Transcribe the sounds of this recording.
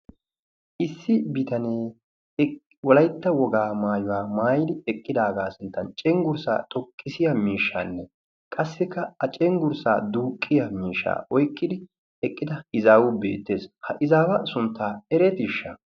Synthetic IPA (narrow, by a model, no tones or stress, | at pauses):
ʔɪsːɪbɪt̪ɐneː | wɔlɐjt̪ːɐwɔɡaːmaːjʊwaːmaːjɪd̪ɪɛkʼːɪd̪aːɡaːsɪnt̪ːɐnt͡ʃʼɛŋɡʊɾsa̰ːt̪ʼɔkʼːɪsɪjɐmiːʃːa̰ːnːɛ | kʼɐsːɪkːɐɐt͡ʃʼɛŋɡʊɾsa̰ːd̪uːkʼːɪjɐmiːʃːa̰ːʔɔjkʼːɪd̪ɪ | ɛkʼːɪd̪ɐɪzaːwʊbe̞̰ːt̪ːe̞ːshɐʔɪzaːwɐsʊnt̪ʰːaːɛɾɛt̪ɪʃːɐ̰